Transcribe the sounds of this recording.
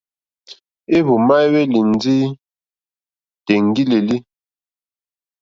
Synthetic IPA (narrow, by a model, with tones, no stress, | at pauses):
e˦βu˨ma˦we˦li˨n˨˦d͡zi˦ | te˨ŋ˦ɡi˦le˨li˦